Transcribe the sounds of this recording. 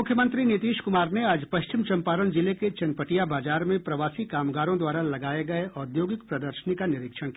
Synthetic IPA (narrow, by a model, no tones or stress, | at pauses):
ʊkʰjəmə̃nt̪ɾinɪt̪iːʃkʊmaːɾneaːd͡ʒpɐʃt͡ʃɪmt͡ʃɐ̃mpaːɾənd͡ʒɪleket͡ʃɐnpəʈijabaːd͡ʒaːɾmẽpɾɐʋaːsikaːmɡaːɾõd̪waːɾalɐɡaːeɡɐeʔɔːɾd̪joːɡɪk̚pɾɐd̪əɾʃənikanɪɾɪkʃəɽ̃k